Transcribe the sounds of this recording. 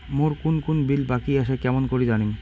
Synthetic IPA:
moɾkunkunbilbakiaʃekɛmonkoɾid͡ʑaniŋ

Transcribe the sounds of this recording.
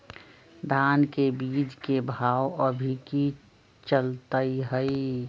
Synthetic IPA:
d̪ʱaːnkebiːd͡ʒkebʱaːwəbʱiki | t͡ʃəlt̪əiɦəi

